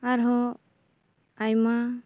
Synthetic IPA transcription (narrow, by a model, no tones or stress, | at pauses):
aɾɦɔ | ajma